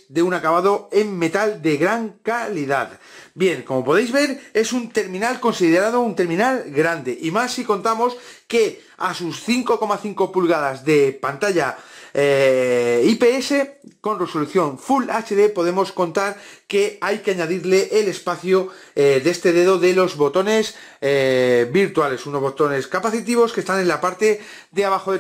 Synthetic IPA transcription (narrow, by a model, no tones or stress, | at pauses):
d̪e̞unakaβaðo̞e̞mːe̞t̪ald̪e̞ɣɾaŋkaliðaðbje̞ŋko̞mo̞po̞ð̞e̞jzβe̞ɾe̞sunt̪e̞ɾmĩnalko̞nsiðeɾað̞o̞unt̪e̞ɾmĩnalɡɾand̪e̞ʔimasːiko̞nt̪amo̞ske | asusθiŋko̞ko̞maθiŋko̞pulɣað̞azðe̞pant̪aʎa | ipe̞ese̞ko̞nre̞so̞luθjo̞ɱfulat͡ʃe̞ðe̞po̞ðe̞mo̞sko̞nt̪aɾke̞ajkeaɲaðiɾle̞ʔele̞spaθjo | d̪e̞st̪e̞ðe̞ðo̞ðe̞lo̞zβo̞t̪o̞ne̞s | biɾt̪uale̞suno̞zβo̞t̪o̞ne̞skapaθit̪iβo̞ske̞st̪anẽ̞nlapaɾt̪e̞ | d̪eaβaxoðe